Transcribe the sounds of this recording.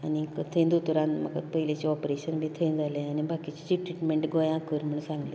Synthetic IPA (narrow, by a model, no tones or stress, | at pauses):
a̰nikət̪ʰə̃nd̪ot̪uɾãnməkə̰t̪pəɦilet͡ɕeɔpɾeɕənmiːt̪ʰə̃nd͡zalẽanibʱakit͡ɕet͡ɕiʈɾiʈmeɳʈɡɔjãkəɾm̤əɳsãŋɡle